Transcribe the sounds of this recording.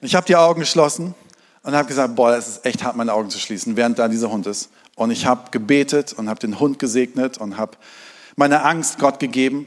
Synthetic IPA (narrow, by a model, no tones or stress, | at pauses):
ʔɪçhaːbədiːʔaʊɡŋ̩ɡəʃlɔsn̩ | ʔʊnthaːbəɡəzaːk̚t̚b̥ɔːɾaɛsɛsʔɛçthaɐt̚maɪnəʔaʊɡŋ̩t͡su̥ʃliːsn̩vɛːʁ̞ənt̚d̥aːdiːzɐhʊntɪst | ʔʊntɪçhaːbəɡ̥əbeːtʰətʊnthaːbədeːnhʊnt̚ɡ̥əzeːɡnətʰʊnthaːbəmaɪnəʔaŋst̚ɡ̥ɔtɡ̥əɡeːbm̩